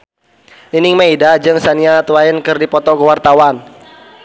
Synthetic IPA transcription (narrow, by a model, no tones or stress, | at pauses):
inɪŋmaidad͡ʒɨŋsaniat̪uwaɪnkɨrdipɔt̪ɔkəwart̪awan